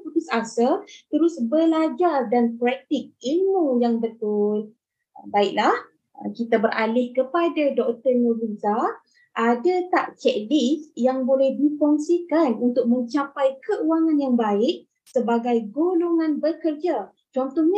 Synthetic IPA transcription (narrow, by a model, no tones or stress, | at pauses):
utusasalt̪əɾʊsbəlad͡ʒardanpɾɛk̚t̪ɪk̚ilmujaŋbət̪ʊl | əbaɪʔ̚lah | əkit̪abərʔalɪhkəpadadɔk̚t̪ərnəviza | ʔadat̪aʔt͡ʃɛʔlisjaŋbolɛhdifɔŋsikanunt̪ʊk̚mə̃ɲt͡ʃapajkəʔuaŋanjaŋbaɪʔ̚ | səbaɡajɡoloŋãnbərkərd͡ʒa | t͡ʃɔnt̪ɔhɲ